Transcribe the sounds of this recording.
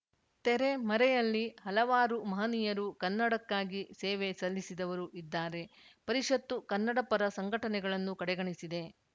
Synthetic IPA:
t̪ɛɾe̞mɐɾɛjɐlːihɐlɐʋaːɾumɐɦɐnijɐɾukɐnːɐɽɐkːaːɡisɛːʋe̞sɐlːisid̪ɐʋɐɾuʔid̪ːaːɾe̞pɐɾiʂɐt̪ːukɐnːɐɽɐpɐɾɐsɐŋɡʱɐʈɐnɛɡɐɭɐnːukɐɽɛɡɐɳisid̪e̞

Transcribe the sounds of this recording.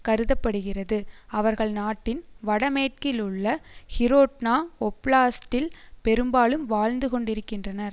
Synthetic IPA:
kɐɾɯðɐpːɐɽɯɣɪrɐðɯɐʋɐɾɣɐɭnaːʈːɪnʋɐɽɐmeːʈ̚kɪlʊɭːɐhɪɾoːʈnaːɔpɭaːsʈɪlpɛɾɯmbaːɭɯmʋaːɻnd̪ɯkɔɳɖɪɾɯkːɪndrɐnɐɾ

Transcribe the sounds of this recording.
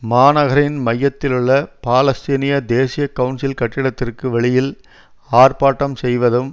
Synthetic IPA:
maːnɐɣɐɾɪnmɐjːɐt̪ːɪlɯɭːɐpaːlɐst̪inɪjɐd̪eːsɪjɐkːɐʊnsɪlkɐʈːɪɽɐt̪ːɪrkɯʋɛɭɪjɪl | aːrpaːʈːɐmsɛjʋɐðɯm

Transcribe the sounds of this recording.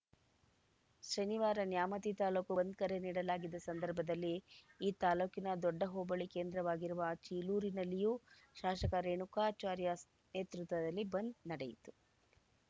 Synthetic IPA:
ʃɐniʋaːɾɐnjaːmɐt̪it̪aːluːkubɐnd̪̚kɐɾeniːɽɐlaːɡid̪ːɐsɐnd̪ɐɾbʱɐd̪ɐlːiːt̪aːluːkinɐd̪ɔɖːɐɦoːbɐɭike̞ːnd̪ɾɐʋaːɡiɾuʋɐt͡ʃiːluːɾinɐlːijuː | ʃaːʃɐkɐɾeːɳukaːt͡ʃaːɾjɐ | neːt̪ɾut̪ʋɐd̪ɐlːibɐnd̪nɐɽejit̪u̥

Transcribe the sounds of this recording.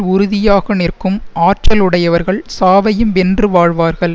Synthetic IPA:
ʊɾʊðɪjaːɣɐnɪrkɯmaːrʈt͡ʃɐlɯɽɐjɐʋɐɾɣɐɭsaːʋɐjɯmɛndrɯʋaːɻʋaːɾɣɐɭ

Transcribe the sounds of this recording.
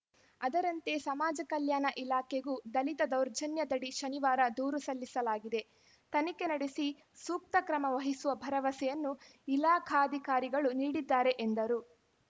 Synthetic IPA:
ɐd̪ɐɾɐnt̪e̞sɐmaːd͡ʒɐkɐljaːnɐʔilaːkʰeɡud̪ɐlit̪ɐd̪ɐwɾd͡ʒɐnjɐd̪ɐɽiʃɐniʋaːɾɐd̪uːɾusɐlːisɐlaːɡid̪e̞ | t̪ɐnike̞nɐɽesi | suːk̚t̪ɐkɾɐmɐʋɐɦisuʋɐbʱɐɾɐʋɐsɛjɐnːu | ilaːkʰaɐd̪ʱikaːɾiɡɐɭuniːɽid̪ːaːɾe̞ʔend̪ɐɾu

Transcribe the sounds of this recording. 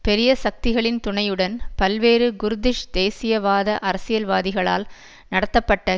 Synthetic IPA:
pɛɾɪjɐsɐk̚t̪ɪɣɐɭɪnt̪ʊɳɐjɯɽɐnpɐlʋeːɾɯɡʊɾɯd̪ɪʂd̪eːsɪjɐʋaːðɐʔɐɾɐsɪjɐlʋaːðɪɣɐɭa̰ːl | nɐɽɐt̪ːɐpːɐʈːɐ

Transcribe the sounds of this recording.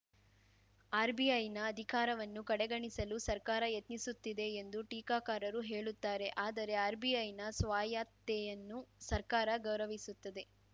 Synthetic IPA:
aːɾbiɐjnɐːd̪ʱikaːɾɐʋɐnːukɐɽeɡɐɳisɐlusɐɾkaːɾɐjet̪nisut̪ːid̪e̞ːnd̪uʈiːkaːkaːɾɐɾuɦe̞ːɭut̪ːaːɾe̞ʔaːd̪ɐɾe̞aːɾbijɐjnɐsʋaːjaːt̪ːejɐnːusɐɾkaːɾɐɡɐwɾɐʋisut̪ːɐd̪e̞

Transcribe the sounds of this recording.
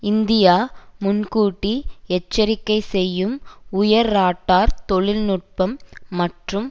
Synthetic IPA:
ɪnd̪ɪjaːmʊnkuːʈːiɛt͡ʃːɐɾɪkːɐɪsɛjːɯmʊjɐɾːaːʈːaːɾt̪ɔɭɪlnʊʈ̚pɐmːɐʈrɯm

